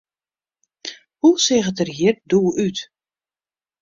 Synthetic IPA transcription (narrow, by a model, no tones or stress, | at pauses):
husɪɣətərɦiərduːyt